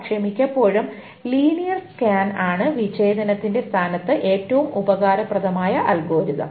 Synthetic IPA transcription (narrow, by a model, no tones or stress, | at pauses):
kʂɐmikʲːɐpːo̞ːɻum | liːnijɐrskaːnaːɳɨʋit͡ɕe̞ːd̪ɐnɐt̪ːinde̞st̪ʰaːnɐt̪ːɨʔe̞ːtːɐʋumubɐɣaːɾɐprɐðɐmaːjɐʔɐlɡo̞ːɾiðɐ̰m